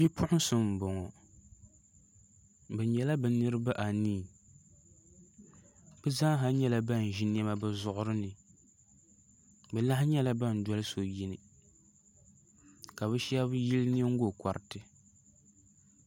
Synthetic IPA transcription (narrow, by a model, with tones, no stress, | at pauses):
bi˦pʰʊ˦ʔʊ˦sɨ˨m̩˨bɔ˨ŋɔ˨ | bɛ˨ɲɛ˨la˦bɛ˨nɨ˦ɾɨ˦ba˦ʔa˨niː˦˨ | bɛ˦za˦ɦa˦ɲɛ˦la˨ba˦˨n˨ʒi˦n˦ɛ˦ma˦bɨ˦zʊ˦ʔʊ˦ɾɨ˦nɨ˨ | bɛ˨la˦hɪ˦ɲɛ˦la˦ba˦˨n̩˨dwɔ˦lɨ˦so˨ji˦nɨ˨ | ka˨bɨ˦ʃa˦bji˦ln˦ɛ˦ŋ̩˦ɡo˦ka˨ɾɪ˨tɨ˨